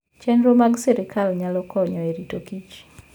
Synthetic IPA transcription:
t͡ʃɛnɾomaɡsɛɾikʰalɲalɔkɔɲɔeɾitokit͡ʃ

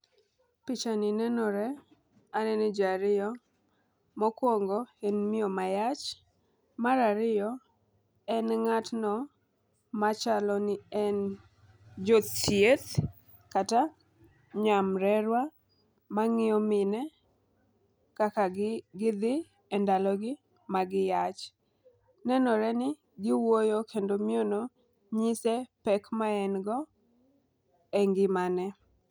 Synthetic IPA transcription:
pɪt͡ʃanɪnɛnɔɾɛ | anɛnɛd͡ʒaɾɪjɔ | mɔkwɔŋɡɔhenmɪɔmajat͡ʃ | maɾaɾɪjɔ | ɛnŋatnɔ | mat͡ʃalɔnɪɛn | d͡ʒot̪sjet̪ | kata | ɲamɾɛɾwa | maŋɪɔmɪnɛ | kakaɡɪd̪ɪ | ɛndalɔɡɪ | maɡɪjat͡ʃ | nɛnɔɾɛnɪ | ɡɪwojokʰendomiono | ɲɪsɛpɛkmaɛnɡɔ | ɛŋɡɪmanɛ

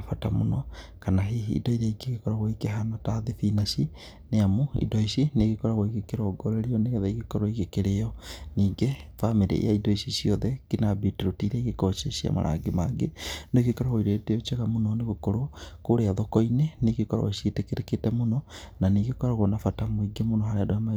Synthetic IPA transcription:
afatamo̰nɔ | kanaɦiḭːdɔiɾeiɡeɣekɔɾaɣoikeɦanataðeθinaʃi | neamoḭdɔisineɣekɔɾaɣoiɣekeɾɔɡɔɾeɾiɔneɣɛðaiɣekɔɾɔiɣekeɾejɔniːɡefamiɾḛḛjaidɔisiʃiɔðɛkinabitiɾotiɾɛiɣekɔʃeɕia̰ma̰ɾa̰ɡemaɡenoɡekɔɾɔɣoiɾeteɔt͡ʃeɣamonɔneɣokoɾokoɾeaðokɔineneɣekɔɾɔ̰ɣoʃetekeɾeketɛmonɔnaniɡekɔɾaɣonafatamoiɡemonɔɦaɾeadojama

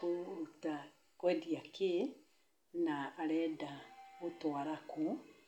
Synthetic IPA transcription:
ota | kwɛdiake | naːɾɛːdaotwaɾaku

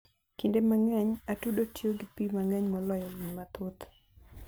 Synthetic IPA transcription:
kindemaŋɛɲatudotjoɡipimaŋɛɲmɔlɔjɔliɲmat̪ʊt̪

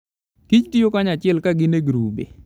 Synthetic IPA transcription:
kit͡ʃtijokaɲat͡ʃɪɛlkaɡɪneɡɾubḛ

